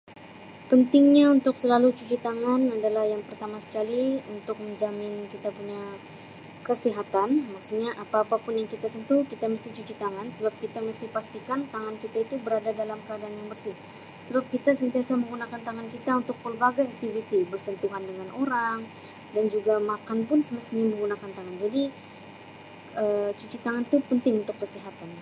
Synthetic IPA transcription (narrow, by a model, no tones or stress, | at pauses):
pənt̪ɪŋɲaunt̪ʊksəlalut͡ʃut͡ʃut̪aŋanadalahjaŋpərt̪amasə̥kaliunt̪ʊk̚məɲd͡ʒamɪnkit̪apuɲa | kəsiɦat̪anmaksuɲaʔapaːpapʊnjaŋkit̪asənt̪ukit̪aməst̪it͡ʃut͡ʃut̪aŋansəbap̚kit̪aməst̪ipast̪ikant̪aŋankit̪ait̪ubəɾadadalamkəadaanjaŋbərsɪh | səbap̚kit̪asənt̪iasaməŋɡunakant̪aŋankit̪aunt̪ʊk̚pəlbaɡajak̚t̪ivit̪ibərsənt̪uŋandəŋanʔoɾaŋ | dand͡ʒuɡamakanpʊnsəməst̪məŋɡunakant̪aŋand͡ʒadi | ət͡ʃut͡ʃit̪aŋant̪upənt̪ɪŋunt̪ʊkːəsiɦat̪an